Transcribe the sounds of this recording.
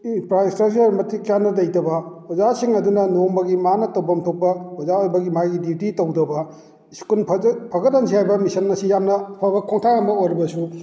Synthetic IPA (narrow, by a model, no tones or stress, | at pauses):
pɾajstɾɐk̚t͡ʃɐɾmɐtʰikjanːɐdɐjtɐbɐbɐzasiŋɐdunɐnombɐɡimanɐtɐwbɐmtʰok̚pɐbʰɐzaojbɐɡimajɡidititɐwdɐbɐ | skunpʰpʰɐɡɐt̚ːɐnsʰihajbɐmisɐnmɐsijamnɐpʰabɐkʰoŋtʰaambɐojɾɐbɐsu